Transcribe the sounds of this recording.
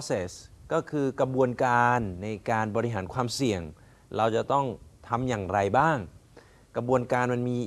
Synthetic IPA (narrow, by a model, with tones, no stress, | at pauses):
seː˨˩skɔː˥˩kʰɯː˧kɾa˧bu˧ənkaː˧nːa˧jkaː˧nbɔː˧ɾi˧ɦaː˩˦nkʰwaː˧msi˨˩əŋ | ɾa˧wt͡ɕa˨˩t̪ɔ˥˩ŋt̪ʰa˧mjaː˨˩ŋɾa˧jbaː˥˩ŋ | kɾa˧bu˧ənkaː˧nma˧nmiː˧